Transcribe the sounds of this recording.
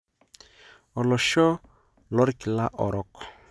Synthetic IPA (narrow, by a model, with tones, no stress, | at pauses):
ɔ˨lɔ˨ʃɔ˦ | lɔ˦ɾi˦ki˨la˦ʔɔ̰˨ɾɔ˦kɔ̥˨